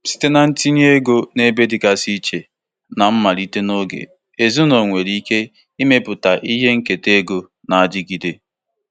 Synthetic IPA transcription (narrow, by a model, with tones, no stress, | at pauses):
si̥˨te˦na˨n̩˦ti˦ni˦e˦ɡo˦ne˦be˦dɪ˨ka˨si˦t͡ʃe˨ | na˨m̩˦ma˨ɾi˦te˦no˦ɡḛ˨ | e˨zu˦no˨ŋʷe˨ɾi˦ke˦ | i˦me˦pʊ˨ta˨ʔi˦ɦe˦ŋ̩˦ke˨te˦ɡo˨ | na˨a˨dɪ˦ɡi˨de˨